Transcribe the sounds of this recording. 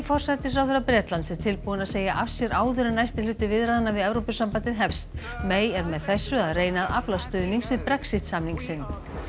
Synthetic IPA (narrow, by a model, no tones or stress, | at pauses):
fɔr̥saɾt̪ɪs̬ɾaːwðʏɾapɾjɛːt̪lant̪sɛɾ̥t̪ʰɪlpuwanaðseːjaʔafsjɛɾʔaːwðʏɾʏnajst̪ɪlʏːt̪ʏvɪðɾaðanːavɪðɛvɾowpʏsampant̪ɪðɦɛfst̪ | meːjɛɾmɛðθɛsːʏaðreːjnaða̰plast̪ʏːðniŋsvɪðpɾɛksɪht̪samniŋsɪn